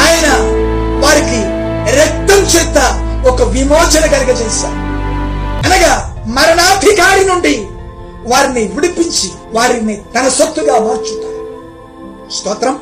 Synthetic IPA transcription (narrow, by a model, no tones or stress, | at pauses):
aːjɐnɐ | ʋaːɾiki | ɾɛk̚t̪ɐmt͡ʃɛːt̪ːɐɔkɐʋimɔːt͡ʃɐnɐɡɐɾɐɡɐt͡ʃɛːʃa̰ːɾu | ɐnɐɡaːmɐɾɐɳaːd̪ʱikaːɽinuɳɖi | ʋaːɾiniʋiɽipiɲt͡ʃi | ʋaːɾinit̪ɐnɐsɐt̪ːuɡaːʋaːɾt͡ʃut̪ːaːɾu | st̪ɔːt̪ɾɐm